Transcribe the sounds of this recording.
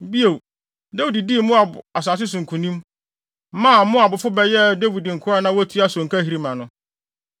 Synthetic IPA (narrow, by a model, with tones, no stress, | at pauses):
bi˦e˨ | de˦wi˨di˨di˦˨mʊ̃˦a˨bʊ̰˨a˨s̬aː˨s̬ɪ˦s̬ʊ̃˨ŋ̩˨kʰũ˨nĩ˦m˦ | mã˦˨mʊ̃˦a˨bʊ˨fʊ˦bɛ˨jɛ˦da˦wi˨di˨ŋ̩˨kʰʊ˦ɾa˦nã˦wɔ˦tʰu˦a˦sɔ̃˨ŋ̩˨kʰa˦ɦi˨ɾi˦mã˨nʊ̃˦